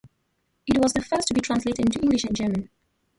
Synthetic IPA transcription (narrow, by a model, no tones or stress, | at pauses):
ɪt̚wɔzðəfɜˑstʰəbitʰɹ̥ãnsleɪtɪdɪ̃ntuɪ̃ŋɡlɪʃɨ̃nd͡ʒɜːmə̃n